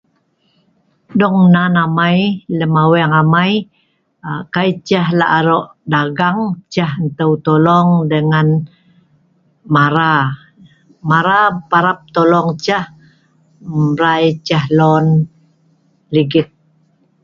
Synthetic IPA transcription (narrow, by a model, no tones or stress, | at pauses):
dɔŋnanamajləmawɛŋamaj | kajt͡ʃəhlaʔaɾɔʔdaɡaŋt͡ʃahnt̪əwt̪olɔŋdəŋan | maɾa | maɾapaɾap̚t̪olɔŋt͡ʃah | mɾajt͡ʃəhlɔn | liɡɪt̪̚